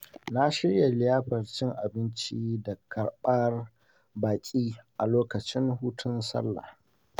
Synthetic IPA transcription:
na˦ʃɪ˦ɽja˨lɪ˦jaː˦ɸɐ˨rt͡ʃɪ˦ŋʔa˨bɪ˦nt͡ʃiː˦da˨kʰɐ˨ɽɓɐ˦r | baː˨kʲʼiː˦ʔa˨loː˦kɐ˨t͡ʃɪ˦ŋɦuː˦tʰʊ˦nsɐ̰˦lːa̰˨h

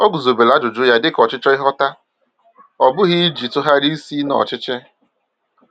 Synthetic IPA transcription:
o˦ɡu˨zo˨be˨la˨˦dʊ˨d͡ʒʊ˦ja˦dɪ˦kɔ˨t͡ʃɪ˦t͡ʃɔ˦ɪ˦ɦɔ˦ta˦ | ɔ˨bʊ˦ɦi˦d͡ʒi˨tʊ˦ɦa˦ɾi˦si˦nɔ̰˨t͡ʃɪ˦t͡ʃɪ˦

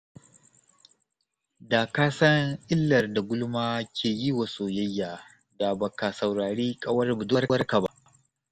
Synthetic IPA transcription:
daː˨kaː˦sɐ˦ŋʔɪ˦lːɐ˨rda˨ɡʷʊ˦lʊ˦maː˦kʲʰeː˨ji˦wa˨soː˨jɐ˦jːaː˨ | da˨bɐ˨ka˨sɐ˨wɽaː˨ɽeː˦kʼɐ˦wɐ˦rbʊ˨dʊ˦rwɐ˦rka˨ba˦ʔ

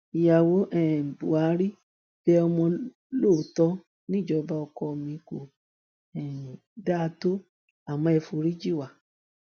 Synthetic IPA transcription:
i˧ja˧wo˦ʔɛ˦˨bu˨a˨˦ɾi˦ | b̥ɛ˦ɔ˧mɔ̃˧ | loː˦˨tɔ˦ | nĩ˦˨d͡ʒɔ˧ba˦ɔ˧kɔ˧mĩ˧˦ko˨ | ɛ˨da˦˧to˦ | a˨mɔ̃˧ɛ˧fu˧ɾi˦d͡ʒi˦˨wa˨

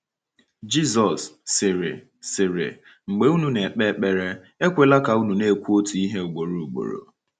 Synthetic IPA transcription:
d͡ʒi˦zɔ˨sːɪ˨ɾɪ̰˨ | sɪ˨ɾɪ̰˨ | ŋ͡m̩˨ɡ͡be˦u˦nu˨ne˨e˨k͡pe˦k͡pe˨ɾe˦ | e˦kʷe˨la˦ka˨u˦nu˨ne˦˨kʷu˦o˦tu˨i˦ɦe˦ʊ˨ɡ͡bo˨ɾo˨u˨ɡ͡bo̰˨ɾo̰˨

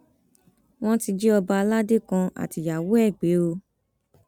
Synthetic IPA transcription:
w̃ɔ̃˦ti˧d͡ʒi˦ɔ˧ba˧a˧la˦de˦kã˧a̰˨ti˨ja˨wo˨˦ɛ˦˨ɡ͡be˨˦o˧

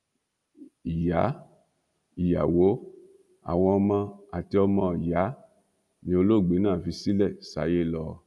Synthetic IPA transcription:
i˨ja̰˨˦ | i˨ja̰˨wo˨˦ | a̰˨w̃ɔ̃˧ɔ˧mã˧a˨ti˧ɔ˧mɔ̃˧˨ja˨˦ | nĩ˧˦o˧lo˦˨ɡ͡be˨˦nãː˦˨fi˧si˦lɛ˦˨sa̰˨˦je˦lɔ˦˧

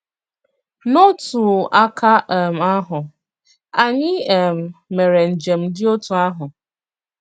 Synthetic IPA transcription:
no˦tu˨a˦kʰa˦˨m̩˨a˦ɦʊ˨ | a˨ɲɪ˦˨m̩˨me˨ɾe˨n̩˨d͡ʒe˨m̩˦dɪ˦o˦tu˨a˦ɦʊ˨

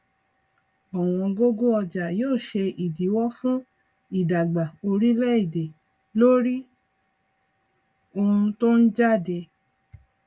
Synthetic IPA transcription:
ɔ˨w̃ɔ̃˧ɡo˦ɡo˦ɔ˧d͡ʒa˨joː˦˨ʃe˧ʔi˨di˨˦wɔ˦fũ˦ | i˦˨da˨ɡ͡ba˨o˧ɾi˦lɛ˦i˦˨de˨ | lo˦ɾi˦ | o˧ũ˧to˦n̩˦d͡ʒa˦˨de˧

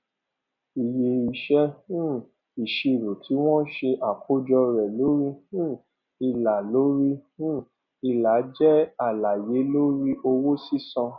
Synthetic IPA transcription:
i˨je˧i˧ʃɛ˦hũ˦˨ | i˨ʃe˧˨ɾo˨tʰi˨˦w̃ɔ̃˦ʃe˧ʔa˨kʰo˦d͡ʒɔ˧ɾɛ˨lo˨˦ɾi˦hũ˦˨ | i˧˨la˨lo˨˦ɾi˦ũ˦˨ | i˧˨la˨˦d͡ʒɛ˦a˨la˨je˨˦lo˦ɾi˦ʔo˧wo˦si˦sɔ̃˧

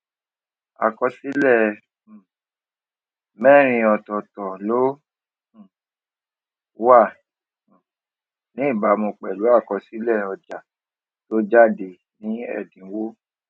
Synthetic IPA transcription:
a̰˨kɔ˧si˦lɛ˦˨ | mɛ̃˦˨ɾ̃ĩ˧ɔ˧tɔ˨tɔ˨lo˦˨˦ | wã˦˨ | nĩ˨˦i˦˨ba˨˦mũ˧k͡pɛ˨lu˨˦a˦˨kɔ˧si˦lɛ˦˨ɔ˧d͡ʒa˨ | to˦d͡ʒa˦˨de˨ | nĩ˨˦ɛ̰˦˨dĩ˨˦wo˦

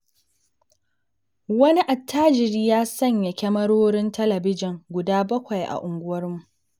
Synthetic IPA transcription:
wɐ˦ni˦ʔa˨tʰːaː˦d͡ʒɪ˨ɾiː˦jaː˦sɐ˦˨ɲja˨kʲɐ˦mɐ˦ɽoː˦ɾɪ˦ntɐ˦lɐ˨bɪ˦d͡ʒɪ˨ŋɡʷʊ˨daː˦bɐ˦kʷɐ˨jʔa̰˨ʔʊ˨ŋɡʷʊ˦wɐ˦rmu˨ʔ

